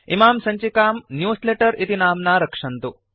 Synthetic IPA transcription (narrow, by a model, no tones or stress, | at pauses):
imaːmsɐɲt͡ʃikaːmnjuːsleʈɐɾit̪inaːmnaːɾɐkʂɐnt̪u